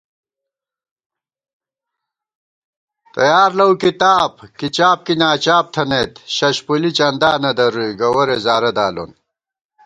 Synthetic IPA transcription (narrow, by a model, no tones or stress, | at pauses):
t̪ɐjaːɾlɐwkit̪aːbkit͡ɕaːp̚kinaːt͡ɕaːp̚t̪ʰɐnet̪ɕɐɕpulit͡ɕɐnd̪aːnɐd̪ɐɾujɡɐwɐɾezaːɾɐd̪aːlo̰n